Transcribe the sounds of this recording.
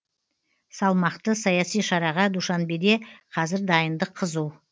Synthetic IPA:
sɑlˠmɑqt̪əsɑjɑsijʃɑɾɑʁɑd̪uʃɑnbed̪e̞qʰɑzɪɾd̪ɑjənd̪əqʰːəzuw

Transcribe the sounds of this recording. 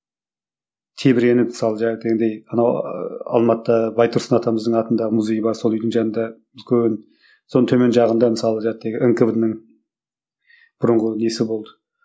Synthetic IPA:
t̪ʰe̞bɪɾe̞nɪmɪ̥sɑlˠəʒæd̪eɡʲed̪ejɑnɑwɑ̰lˠmɑt̪ːɑbɑjt̪ʰʊɾsənɑt̪ʰɑməzd̪əɴɑt̪ənd̪ɑʁəmuzʲe̞jəbɑɾso̞lˠʏjd̪ɪŋʒɑnənd̪ɑ | ɪlkʲʰen | so̞nət̪ʰɵme̞nʒɑʁənd̪ɑmɪsɑlˠəʒɑt̪ːeɡʲɪʔəŋkəvd̪nəŋ | b̥ʊɾəɴʁəne̞sɪbo̞lˠd̪ə̥

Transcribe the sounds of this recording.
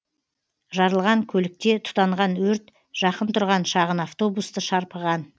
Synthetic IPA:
ʒɑɾəlˠʁɑŋkʲʰɵlɪk̚t̪e̞t̪ʰʊ̥t̪ɑɴʁɑnwɵɾt̪ | ʒ̥ɑqənt̪ʰʊɾʁɑnʃɑʁənaft̪o̞bust̪əʃɑɾpəʁɑn

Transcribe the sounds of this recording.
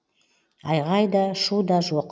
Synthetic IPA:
ɑjʁɑjd̪ɑʃud̪ɑʒoq

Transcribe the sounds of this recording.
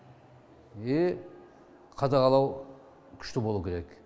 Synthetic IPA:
e | qʰɑd̪ɑʁɑlˠɑw | kʲʰʏ̥ʃt̪ɪbo̞lˠukʲʰeɾek

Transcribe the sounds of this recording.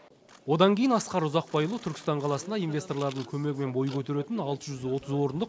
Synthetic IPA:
wo̞d̪ɑŋkʲʰejɪnɑsqɑɾʊzɑq̚bɑjlˠuət̪ʰʏɾkʲɪ̥st̪ɑɴqʰɑlˠɑsənd̪ɑijnvʲe̞st̪o̞rlˠɑɾd̪əɴkʲʰɵme̞ɡʲɪme̞nbo̞jəkʲʰɵt̪e̞ɾe̞t̪ɪnɑlˠt̪əʒʏzwo̞t̪ʰəzwo̞ɾənd̪əq

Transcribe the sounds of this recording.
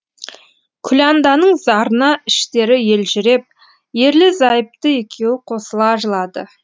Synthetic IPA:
kʲʰʏlʲand̪ɑnəɴzɑɾənɑɪʃt̪e̞ɾɪje̞lʒʏɾe̞p̚ | je̞ɾlɪzɑjəp̚t̪əe̞kʲʰe̞wɪqʰo̞səlˠɑʒəlˠɑd̪ə̰

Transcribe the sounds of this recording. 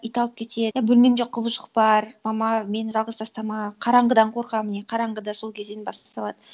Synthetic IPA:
ijt̪ɑlˠəp̚kʲʰe̞t̪ʰebɵlme̞md̪eqʰʊbəʃəq̚bɑɾmɑmɑme̞nʒɑlˠʁəzt̪ɑst̪ɑmɑqʰɑɾɑɴʁəd̪ɑɴqʰo̞ɾqɑməneqʰɑɾɑɴʁəd̪ɑso̞lˠkʲʰe̞zd̪e̞nbɑst̪st̪ɑlˠɑd̪ə

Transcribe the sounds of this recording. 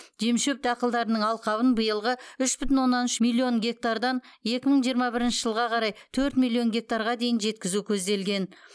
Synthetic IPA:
ʒ̥emʃup̚t̪ɑqəlˠd̪ɑɾənəɴɑlˠqɑβənbəjəlˠʁəʏʃbʏt̪ɪnwo̞nːɑnʏʃmilʲːio̞ŋɡʲe̞k̚t̪ard̪ɑn | je̞kʲɪməɴʒijəɾmɑbɪɾɪnʃɪʒəlˠʁɑqʰɑɾɑjt̪ʰɵɾt̪milʲːˠio̞ŋɡʲe̞k̚t̪aɾʁɑd̪e̞jɪnʒe̞t̪̚kʲɪzukʲʰɵzd̪e̞lɡʲe̞n

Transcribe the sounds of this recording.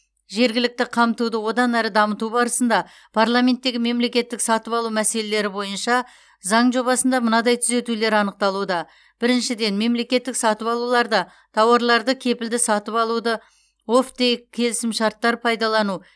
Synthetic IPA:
ʒe̞ɾɡʲɪlɪk̚t̪ɪqʰɑmt̪ud̪əwo̞d̪ɑnæɾəd̪ɑmət̪ubɑɾəsənd̪ɑ | pʰaɾlˠamʲe̞nt̪ːe̞ɡʲɪme̞mle̞kʲe̞t̪ːɪksɑt̪əpɑlˠumæse̞le̞le̞ɾɪbo̞jənʃɑ | zɑɴʒo̞βɑsənd̪ɑmənɑd̪ɑjt̪ʰʏze̞t̪ule̞ɾɑnəq̚t̪ɑlˠud̪ɑ | b̥ɪɾɪnʃɪd̪e̞nme̞mle̞kʲe̞t̪ːɪksɑt̪əpɑlˠulˠɑɾd̪ɑ | t̪ʰɑwɑɾlˠɑɾd̪əkʲʰe̞pɪld̪ɪsɑt̪əpɑlˠud̪ə | o̞ft̪ekʲʰe̞lɪsɪmʃɑɾt̪ːɑɾpʰɑjd̪ɑlˠɑnu

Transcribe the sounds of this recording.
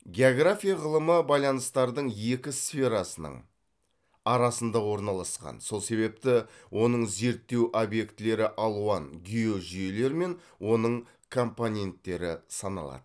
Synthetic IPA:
ɡʲe̞oɡrafʲijaʁəlˠəməbɑjlˠɑnəst̪ɑɾd̪əɴje̞kʲɪsfʲe̞ɾɑsənə̰ɴ | ɑɾɑsənd̪ɑwo̞ɾnɑlˠɑsqɑ̰nso̞lˠse̞be̞p̚t̪ɪwʔo̞nəɴze̞ɾt̪ːe̞wʔobje̞kt̪ɪle̞ɾɪʔɑlˠuɑnɡʲijo̞ʒʏje̞le̞ɾme̞n | wo̞nəɴ | kʰo̞mponʲe̞nt̪ːe̞ɾɪ̰sɑnɑ̰lˠɑ̰d̪ə

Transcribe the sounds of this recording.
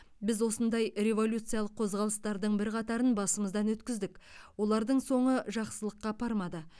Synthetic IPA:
bɪzwo̞sənd̪ɑjɾe̞vo̞lʲjut̪sɨjɑlˠəqʰːo̞zʁɑlˠəst̪ɑɾd̪əɴbɪɾqʰɑt̪ɑɾənbɑsəməzd̪ɑnwɵt̪kʲɪzd̪ɪkwo̞lˠɑɾd̪əɴso̞ɴəʒɑqsəlˠəqːɑpʰɑɾmɑd̪ə

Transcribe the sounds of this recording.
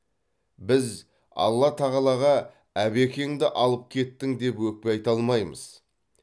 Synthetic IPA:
bɪz | ɑ̰lˠːɑt̪ʰɑʁɑlˠɑʁɑ | æbe̞kʲe̞ŋd̪ɪʔɑlˠəp̚kʲʰe̞t̪ːɪŋd̪e̞pwɵk̚peɑjt̪ɑlˠmɑjmə̰z̥

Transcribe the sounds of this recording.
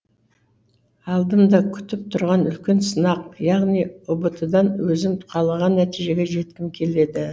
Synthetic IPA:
ɑlˠd̪əmd̪ɑkʲʰʏ̥t̪ɪp̚t̪ʰʊɾʁɑnʏlkʲe̞nsənɑqjɑʁnijobət̪əd̪ɑnwɵzɪmqʰɑlˠɑʁɑnːæt̪ijʒe̞ɡʲe̞ʒe̞t̪kʲɪmkʲʰe̞le̞d̪ɪ

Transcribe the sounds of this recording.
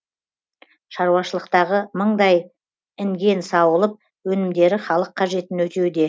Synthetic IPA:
ʃɑɾuwɑʃəlˠəqt̪ɑʁəməɴd̪ɑj | ɪŋɡʲe̞nsɑwəlˠəp̚ | wɵnɪmd̪e̞ɾɪχɑlˠəqʰːɑʒe̞t̪ɪnwɵt̪e̞wd̪e̞

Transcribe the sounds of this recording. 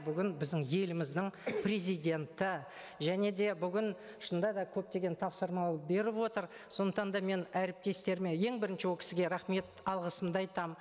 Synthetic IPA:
bʏɡʲɪnbɪzd̪ɪŋje̞lɪmɪzd̪ɪɴpɾe̞zijd̪ʲe̞nt̪ɪ | ʒæne̞d̪e̞bʏɡʲɪn | ʃənd̪ɑd̪ɑkʲʰɵp̚t̪e̞ɡʲe̞nt̪ʰɑpsəɾmɑlˠp̚be̞ɾɪpwot̪əɾ | so̞nd̪əqt̪ɑnd̪ɑme̞næɾɪp̚t̪e̞st̪e̞ɾme̞je̞ŋbɪɾɪnʃɪwokʲɪ̥sɪɡʲe̞ɾɑχme̞t̪ɑlˠʁəsəmd̪əɑjt̪ɑm

